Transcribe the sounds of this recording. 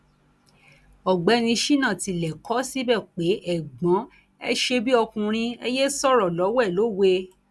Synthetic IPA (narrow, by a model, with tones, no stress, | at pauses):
ɔ˨ɡ͡bɛ˨˦nĩ˧ʃi˦nã˦˨ti˨˧˨lɛ˨kɔ˨˦si˦bɛ˦˨k͡pe˨˦ʔɛ˦˨ɡ͡bɔ̃˨˦ | ɛ̰˦ʃe˧bi˦ɔ˧kũ˧ɾ̃ĩ˧e˧je˦sɔ˦˨ɾɔ˨lɔ˨˦wɛ˦˨lo˨˦˨we˧